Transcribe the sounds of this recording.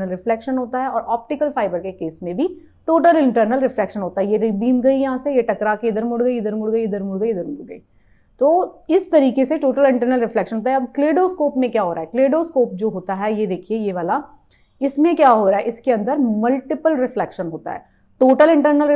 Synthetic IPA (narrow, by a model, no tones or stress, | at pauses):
əlɾɪflɛːkʃənɦoːt̪aɦɛɔːɾʔɔːp̚ʈɪkəlfaːɪbəɾkekeːsmẽbʱi | ʈoːʈəlɪ̃ɳʈəɾnəlɾɪflɛːkʃənɦoːt̪aɦɛjeɾibiːmɡɐijɐɦãsejeʈɐkɾakeɪd̪əɾmʊɽɡɐiɪd̪əɾmʊɽɡɐiɪd̪əɾmʊɽɡɐiɪd̪əɾmʊɽɡɐḭ | t̪oːɪst̪ɐɾiːkeseʈoːʈəlɪ̃ɳʈəɾnəlɾɪflɛkʃə̃nɦoːt̪aɦɛɐbkleːɖoːskoːpmẽkjaːɦoːɾaːɦɛkleːɖoskoːp̚d͡ʒoːɦoːt̪aɦɛjed̪eːkʰiejeʋaːla | ɪsmẽkjaːɦoːɾaːɦɛʔɪskeɐ̃nd̪əɾmɐlʈɪpəlɾɪflɛːkʃənɦoːt̪a̰ɦɛ̰ː | ʈoːʈəlɪ̃ɳʈəɾnəl